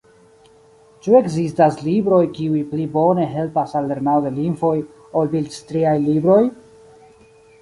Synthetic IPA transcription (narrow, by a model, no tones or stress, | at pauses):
t͡ʃue̞ɡzistaslibɾo̞jkiujplibo̞ne̞ɦe̞lpasalːe̞ɾnawod̪e̞linfo̞j | olbilstɾiajlibɾo̞j